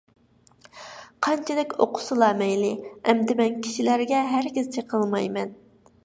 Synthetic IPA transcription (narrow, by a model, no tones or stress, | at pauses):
qʰɑnt͡ʃʰɛd̪ɪkʲo̰qʰʊ̥sɨlˠɑmɛjlɪɛmd̪ɪmɛnkʲʰi̥ʃilæɾɡʲɛɦæɾɡʲiz̥t͡ʃʰeqʰəlˠmɑjmɛn